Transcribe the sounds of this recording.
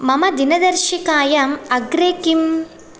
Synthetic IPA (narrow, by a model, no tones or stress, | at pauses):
mɐmɐd̪inɐd̪ɐɾʃikaːjɐmɐɡɾeːkim